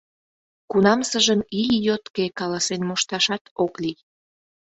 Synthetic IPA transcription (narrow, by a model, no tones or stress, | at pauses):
kunɑmsəʒəmijjot̪kekɑlɑsenmoʃt̪ɑʃɑt̪oklij